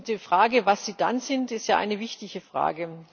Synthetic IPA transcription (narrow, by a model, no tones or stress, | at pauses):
təfʁ̥aːɡəvasz̥iːd̥anzɪntɪstjaːʔa̰ɪnəvɪçtɪçəfʁ̥a̰ːɡə